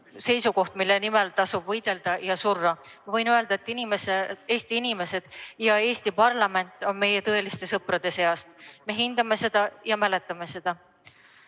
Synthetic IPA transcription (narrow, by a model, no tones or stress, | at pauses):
se̞jsuko̞ht̪milːe̞nime̞lt̪ɑsub̥vɤjd̪̥e̞ld̪̥ɑjɑsurːɑmɑvɤjnøe̞ld̪̥ɑet̪ːˑinimesee̞ːsʲt̪iinime̞se̞d̪̥jɑe̞ːsʲt̪ipɑrlɑme̞nt̪ːˑo̞nme̞jet̪ɤe̞list̪e̞sɤpɾɑd̪̥e̞se̞ɑst̪me̞ɦind̪̥ɑme̞se̞d̪̥ɑjɑmæle̞t̪ːˑɑme̞se̞d̪̥ɑ